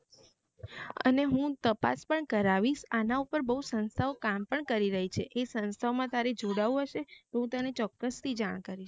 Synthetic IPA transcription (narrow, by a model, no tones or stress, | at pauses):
ə̰neɦũt̪əpa̰spəɳkəɾaʋiʃanaupəɾbəɦusənst̪ʰaʋokampəɳkəɾiɾəɦit͡ʃʰeʔesənst̪ʰaʋmãt̪aɾed͡ʒoɽaʋũɦəʃet̪eɦũt̪ənet͡ʃɔkːəst̪ʰid͡ʒaɽ̃kaɾiʃ